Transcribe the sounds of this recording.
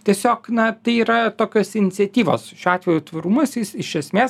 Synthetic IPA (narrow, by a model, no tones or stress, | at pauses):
t̪ʲiɛsʲoːknɐt̪ɐɪiːɾɐt̪oːkʲoːsɪnʲɪt̪sʲɛt̪ʲiːʋo̰ːsʃʲuːɑːt̪ʲʋʲɛjuːt̪ʋɐɾuːmɐsjɪsɪʃʲɛsʲmʲeːs